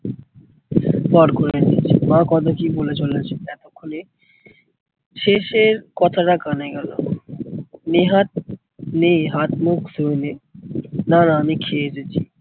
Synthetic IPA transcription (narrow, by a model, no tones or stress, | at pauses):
bɔɾkoɾenḭt͡ɕʰmãkɔt̪okibolet͡ɕolent͡ɕʰenɛt̪okʰːone | ʃeʃeɾkɔt̪ʰaʈakanaɡɛlo̰ | neɦat̪̚ | neɦat̪muksoene | nanaamikʰeet͡ɕet͡ɕʰi